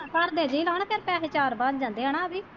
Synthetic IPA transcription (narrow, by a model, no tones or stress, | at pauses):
kəɾd̪eːd͡ʒiːlaːnpʰeɾpɛːset͡ʃaːɾbad̪d͡ʒãːnd̪eːɦaːnaːbiː